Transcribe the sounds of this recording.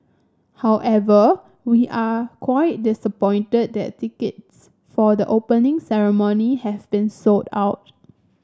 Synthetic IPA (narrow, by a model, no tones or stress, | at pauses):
hawʔɛvə | wiʔakʰwaɪt̚dɪsəpɔ̃ɪ̃ntəd̚dɛ̰ttːikəts | fɔdəʔopə̃nɪ̃ŋsɛɹəmonihɛvbĩnsota̰ʊt̚